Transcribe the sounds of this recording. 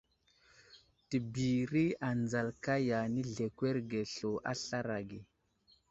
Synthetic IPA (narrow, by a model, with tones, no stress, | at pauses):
ti˨bi˨ɾi˦a˨nd͡za˨lka˦ja˨ni˦ɮe˨kwe˦ɾɡe˨ɬo˨ʔa̰˦ɬa˦ɾa˨ɡe˨